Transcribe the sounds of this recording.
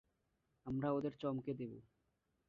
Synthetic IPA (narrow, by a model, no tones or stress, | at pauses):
amɾaod̪eɾt͡ɕɔmked̪ebu